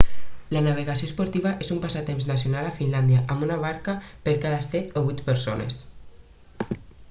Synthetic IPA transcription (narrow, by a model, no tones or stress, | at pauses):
lanaβ̞eɣasiospoɾt̪iβ̞aʔezumpasat̪emznasjonalafinland̪jaʔamunaβ̞aɾkapeɾkaðasɛt̪oβujt̪peɾsonḛs